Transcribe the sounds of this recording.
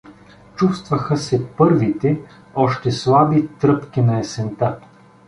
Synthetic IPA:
t͡ʃust̪vɐxəsɛpɤɾvit̪ɛ | ɔʃt̪ɛslˠabit̪ɾɤpk̟inɐɛsɛnt̪a

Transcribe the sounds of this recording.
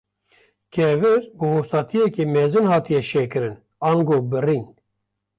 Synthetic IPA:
kʰɛvɨɾbɨhosɑːt̪ʰijɛkeːmɛzɨnhɑːt̪ijɛʃeːkɨɾɨn | ɑːŋɡoːbɨrin

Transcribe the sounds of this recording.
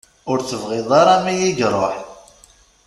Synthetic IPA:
ʊɾt͡sːəvʁɪðˤɑɾˤɑmijiʝɾˤoħ

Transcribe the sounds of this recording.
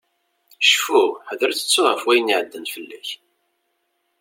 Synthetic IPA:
ʃfuħəðɾt͡sə̥t͡sːʊʁəfwæjniʕəd̪ːənfəlːæ̰ç

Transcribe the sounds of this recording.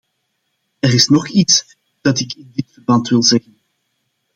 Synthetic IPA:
əɾɪsnɔχits | d̥ɑtɪkɪndɪtfərbɑntwɪlˠzɛɣən

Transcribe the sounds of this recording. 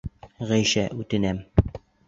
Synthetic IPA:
ʁæjʃæʔʉt̪ɘ̆næm

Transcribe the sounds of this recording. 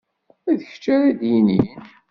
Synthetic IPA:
æðəçə̥t͡ʃːæɾæd̪jinin

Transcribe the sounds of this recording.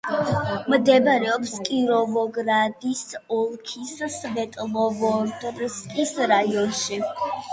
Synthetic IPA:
md̪ɛbɾɛɔpskʼiɾɔvɔɡɾad̪isɔlˠkʰissvɛt̪ʼlˠɔvɔd̪ɾskʼisɾajɔnʃi

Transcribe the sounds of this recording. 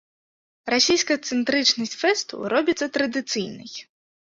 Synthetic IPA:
rasʲijskɐjɐt̪sɨnt̪ɾɨt͡ʂnɐsʲtʲfɛst̪ṵɾɔbʲit̪sːɐt̪ɾɐd̪ɨt̪sɨjnɨ̰j

